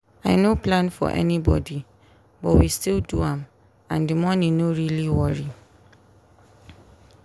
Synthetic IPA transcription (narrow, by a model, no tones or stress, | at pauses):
aɪnoplãnfɔ̰ʔɛ̰nibɔ̰di | bɔtwistilduãm | ãndimɔnĩnoɹiliwɔɹi